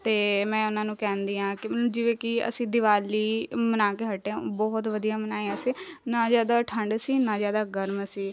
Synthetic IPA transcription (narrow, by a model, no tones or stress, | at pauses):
t̪eːmɛ̃ːʊnãːnũːkɛ̃ːnd̪iːɦãːkɪmɪləd͡ʒɪʋeːkɪə̰sĩːd̪ɪʋaːliːmənaːkeːɦəʈːẽbɔːt̪ʋəd̪ijaːmənaːiəsĩːnaːzjaːd̪aːʈʰəɳɖsiːnãːzjaːd̪aːɡəɾmsiː